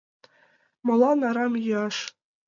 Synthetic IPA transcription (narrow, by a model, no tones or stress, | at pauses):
mŏlˠɑnɑɾɑmjɯɑʃ